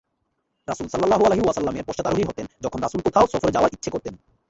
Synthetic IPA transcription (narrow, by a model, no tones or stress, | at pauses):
ɾasulsʌlːalːaɦualeɦiwasʌlːameɾpɔʃt͡ɕat̪aɾuɦiɦot̪end͡ʑɔkʰonɾasulkot̪ʰaosɔfʰoɾed͡ʑaoaʔitːɕʰekoɾt̪en